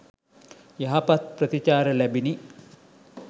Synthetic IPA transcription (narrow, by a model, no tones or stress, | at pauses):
jaɦapat̪̚prət̪it͡ʃaːɾəlæbini